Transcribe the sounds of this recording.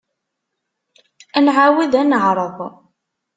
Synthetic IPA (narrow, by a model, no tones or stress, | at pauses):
ænʕawiðænəʕɾˤəðˤ